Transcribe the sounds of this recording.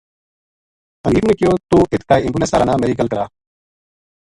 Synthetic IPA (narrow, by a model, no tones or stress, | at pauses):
əniːbneːkɪjoːt̪uːʔɪt̪kaːiɪ̃ŋɡuːneːsa̰ːɾa̰ːnaːmeɾiːkəlkəɾaː